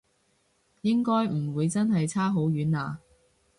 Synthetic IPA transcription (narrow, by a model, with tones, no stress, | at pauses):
jɪ˥ŋkɔː˥jm̩˨˩wuː˨˧jt͡sɐ˥nɦɐ˨jt͡sʰaː˥ɦo˨˥wjyː˨˥naː˨˧